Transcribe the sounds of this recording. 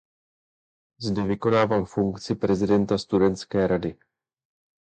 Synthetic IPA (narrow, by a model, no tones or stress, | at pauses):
zdɛvɪko̞naːvaːmfuŋkt͡sɪpɾɛzɪdɛnt̪ast̪udɛnt̪t͡skɛːɾadɪ